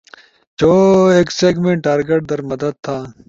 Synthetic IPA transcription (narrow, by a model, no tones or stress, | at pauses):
t͡ɕoːeːkseːɡmẽɳʈʈaːɾɡeʈ̚d̪ɐɾmɐd̪əd̪̚t̪ʰaː